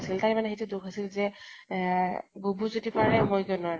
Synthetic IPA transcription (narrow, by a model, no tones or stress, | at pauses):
siltaɹmanɛɦetudukʰasilzɛ | bobʱuzutipaɹɛmɔjkɔnʊa